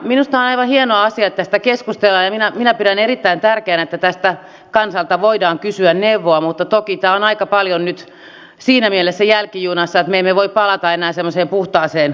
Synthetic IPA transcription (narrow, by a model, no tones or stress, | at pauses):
minust̪ɑonɑiʋɑnhienoɑɑsiɑet̪ːæst̪ækeskust̪elːɑːjɑminæminæpiɾænerit̪ːæint̪ærkeːnet̪ːæt̪æst̪æ | kɑnsɑlt̪ɑʋoidɑːŋkysyænneuʋːoɑmut̪ːɑt̪okit̪æːonɑikɑpɑljonnyt̪ | siːnæmielesːæjælkijuːnɑsːɑet̪meemːeʋoippɑlɑt̪ɑenæːsemːoseːmpuht̪ɑːseːn